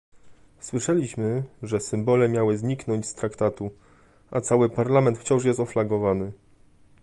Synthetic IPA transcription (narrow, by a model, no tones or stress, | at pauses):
swɘʂɛlʲiɕmɘʐɛsɘmbɔlɛmʲjawɘzɲiknɔɲt͡ɕst̪ɾakt̪at̪u | ʔat̪sawɘpaɾlamɛnt̪ft͡ɕɔ̃ʂ̬jɛst̪ɔflaɡɔvanɘ